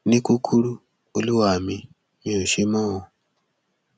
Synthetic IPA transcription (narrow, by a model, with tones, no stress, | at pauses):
ni˦ku˦kʰu˦ɺu˦ | o˦lu˦wa˨mi˨ | mi˨o˨ʃi˦mɔ˦o˨